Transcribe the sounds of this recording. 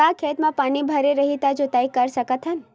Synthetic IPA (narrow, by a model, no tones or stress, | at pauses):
akʰet̪mãpanibʱəɾeɾəɦit̪ad͡ʒot̪aikəɾsəkət̪ʰɦən